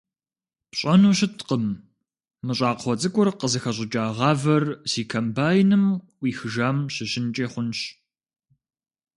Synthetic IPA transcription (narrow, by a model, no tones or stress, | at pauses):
pɕʼɐnuːɕɪtʰqəmː | ɨɕʼaːqχʷɔt͡sʼɨkʷʼʊrqəzɨxɐɕ̬ʼɪt͡ʃʼaːʁɑːvɐrsiːkʰɐmbaːjnɨm | wiːxɨʒaːmɕɪɕɪnt͡ʃʼeːχʷʊnɕ